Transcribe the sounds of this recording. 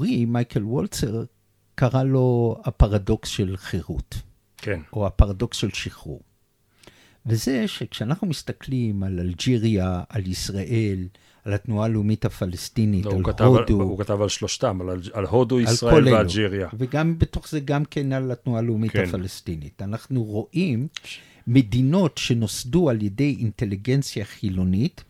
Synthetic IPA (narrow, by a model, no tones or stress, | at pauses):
ʁimajkelwolteʁ | kaʁalo̞hapaʁado̞ksʃelχeʁut | kʰenʔo̞apaʁado̞ksʃe̞lʃiχṵ | veze̞ʃekʃeanaχnumistaklimalald͡ʒiʁiaalisʁaʔe̞l | alhatnualeumithafalestinitalkatoduukat̪avalʃloʃtamalalhoduialsʁaoleeaud͡ʒiʁjaveɡambeto̞χze̞ɡamke̞nalatnualeumikhafalestinitanaχnuʁo̞ʔimː | e̞dino̞tʃe̞no̞sdualje̞de̞jinte̞liɡe̞nt͡sjaχilo̞nit